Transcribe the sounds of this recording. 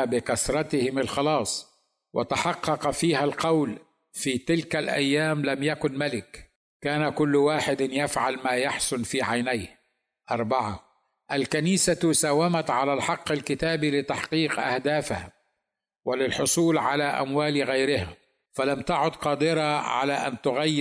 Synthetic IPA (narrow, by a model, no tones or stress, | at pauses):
bɪkasɾˤɑt̪ɪhɪmalxɑlɑːsˤ | wʔa̰t̪aħɑqːɑqɑfiːhalqɑwl | fiːt̪ɪlkalʔa̰jːaːmlamjakʊnmalɪk | kːaːnakʊlːwaːħɪd̪njafʕalmaːjaħsʊnfiːʕajnajh | ʔɑɾˤbɑʕa | ʔalkaniːsasaːwːamat̪ʕalalħɑqːalkɪt̪aːbilɪt̪aħqiːqʔa̰hd̪aːfa̰h | wɪlɪlħʊsˤuːlʕalaʔa̰mwaːlɣajɾɪha | falamt̪aʕʊd̪qɑːd̪ɪɾɑʕa̰laʔa̰nt̪ʊɣajː